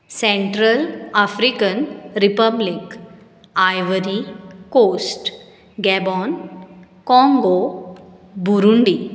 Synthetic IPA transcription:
sɛ̃ɳʈɾəlafɾikənɾipəblik | ajʋəɾikosʈ | ɡɛbɔn | kɔ̃ŋɡo | buɾuɳɖi

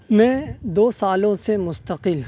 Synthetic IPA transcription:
mɛ̃d̪oːsaːlõsemʊst̪əqɪl

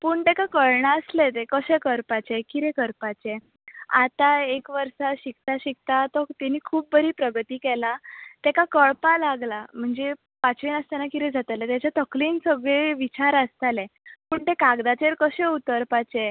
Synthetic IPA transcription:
puːɳʈ̪ekakəɭɳaəslet̪ekəɕẽkəɾpat͡ɕekiɾekəɾpat͡ɕe | a̰t̪aekʋəɾsaɕik̚t̪aɕik̚t̪at̪ɔkt̪ɛniːkʰuːp̚bəɾiːpɾəɡət̪iːkɛlat̪ɛkakəɭpalaɡlam̤əɳd͡ze | pat͡sʋiːnəst̪anakiɾɛd͡zʱat̪alet̪jat͡ɕat̪əkliːnsəɡɭeʋit͡ɕaɾəst̪alepuːɳʈ̪ekaɡd̪at͡ɕeɾkəɕẽut̪əɾpat͡ɕe

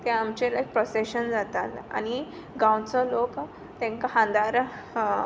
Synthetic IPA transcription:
t̪jaamt͡ɕelajk̚pɾɔseɕənd͡zat̪ala̰ñi | ɡãwt͡sɔlok | t̪jãŋkaɦãnd̪aɾ

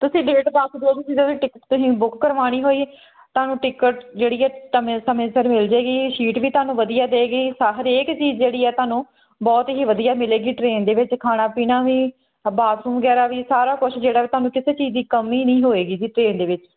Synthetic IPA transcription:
t̪ʊsĩːɖeːʈd̪əkd̪oːt̪ʊsĩd̪eoĩːʈɪkəʈt̪ʊsĩːbʊkːəɾʋaːɽ̃iːɦoːiː | t̪ʊaːnũːʈɪkəʈd͡ʒeːɽiːɛːʈəmẽːsəmẽːsəɾmɪld͡ʒeːɡiːʃiːʈʋiːt̪ʊaːnũːʋəd̪ijaːd̪eːɡiːsaɦɾeːkt͡ʃiːzd͡ʒeːɽiːɛːt̪ʊaːnũː | bɔːt̪ɦiːʋəd̪ijaːmɪleːɡiːʈɾeːnd̪eːʋɪt͡ʃkʰaːɽ̃aːpiːnaːʋiː | baːsũːmʋəɡɛːɾaːʋiːsaːɾaːkʊt͡ʃʰd͡ʒeːɽaːiːt̪ʊaːnũːkɪseːt͡ʃiːzd̪iːkəmːiːnəĩːɦoːeːɡiːd͡ʒiːʈɾeːnd̪eːʋɪt͡ʃ

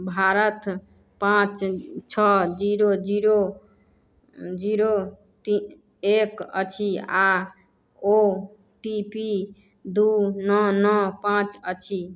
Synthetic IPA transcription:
bʱaɾət̪ | pãt͡ʃt͡ʃʰɔd͡ʒiɾod͡ʒiɾo | d͡ʒiɾo | t̪i | ekə̰t͡ʃʰia | o | ʈipi | d̪unɔnɔpãt͡ʃət͡ʃʰi

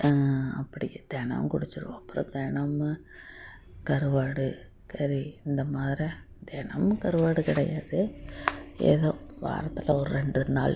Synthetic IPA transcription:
ɐpːɐɽɪjɐd̪̥ɛnɐ̰mkʊɽɯt͡ʃːɪɾɯʋõɐpːɯɾõ̰ːd̪ɛɳɐm | kɐɾɯʋaːɽɯ | sɐɾiɪnd̪ɐmaːðɪɾi | d̪ɛɳɐmkɐɾɯʋaːɽɯkɪɽɐjaːðɯ | eːðoːʋa̰ːɾɐt̪ːɪlʔɐɔɾɯɾɛɳɖɯna̰ːl

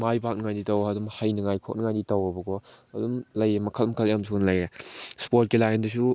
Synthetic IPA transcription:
majbak̚nɐŋajditɐwɐdumhɐjnɐŋajkʰo̰k̚nɐŋajditɐwɐbɐɡɔɐdumlɐjemɐkʰɐlmɐkʰɐljamsʰunlɐjɾespoɾt̚kilajendus̬u

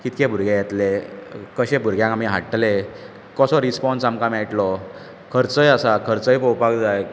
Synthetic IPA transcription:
kit̪kẽbʱuɾɡjẽjɛt̪lekəɕẽbʱuɾɡjãkamiɦaʈːle | kɔsɔɾispɔnsamkamajʈlɔ | kʰəɾt͡səjəsakʰəɾt͡səjpəwpakd͡zaj

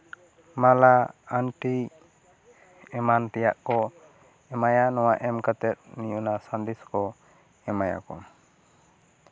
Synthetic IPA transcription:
malaanʈi | ɛmant̪ɛjaʔkɔ | ɛmajanɔwaʔɛmkat̪ɛt̪̚nijunasand̪iskɔ | ɛmaja̰kɔ̰

